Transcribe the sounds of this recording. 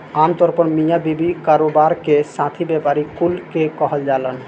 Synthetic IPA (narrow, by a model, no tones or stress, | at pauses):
amt̪ɔɾpɔɾmijabibikaɾobaɾkeʃãt̪ʰibɛpaɾikulkekɔɦald͡ʑalan